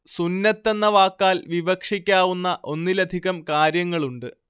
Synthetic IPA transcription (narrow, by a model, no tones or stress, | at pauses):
sunːɐt̪ːe̞nːɐʋaːkːaːlʋiʋɐkʂikʲːaːʋunːɐʔo̞nːilɐd̪ʱiɣɐmkaːɾjɐŋːɐɭuɳɖɨ